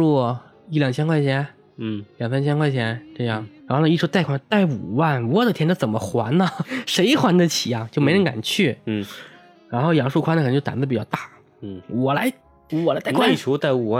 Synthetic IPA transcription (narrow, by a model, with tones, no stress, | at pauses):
wɔ˥˩ | i˥˩ljɑ˨˩ŋt͡ɕʰɛ˥nkʰwa˥˩ɪt͡ɕʰjɛ˧˥n̩˥˩ | ljɑ˨˩ŋfə˥nt͡ɕʰɛ˥nkʰwa˥˩ɪt͡ɕʰjɛ˧˥nʈ͡ʂɤ˥˧jɑ˥˩ŋɻa˧˥xn˧i˥˩u˧˥t̪a˥˩ɪkʰwa˥˩nt̪a˥˩ɪu˨˩wa˥˩n˧wɔ˨˧˩d̪ə˨t̪ʰjɛ˧˥nʈ͡ʂt͡sə˨˩nmə˦xwa˧˥nnə˧ʂe˧˥ɪxwa˧˥nd̪ə˧t͡ɕʰi˨˩ja˧˩t͡ɕjm˧˥ɻə˧˥n˥ka̰˨˩nt͡ɕʰy˥˩˥ | ɻa˧˥nxo˥˩ʊjɑ˨˩ŋʂu˥˩kʰwa˥ndəkt͡ɕːt̪a̰˧˥˩pi˨˩t͡ɕʊt̪a˥˩˥ | wɔ˨˩la˧˥ɪ | wɔ˨˩lt̪kʰwʈ͡ʂʰu˧˥t̪a˥˩ɪu˨˩wa˥˧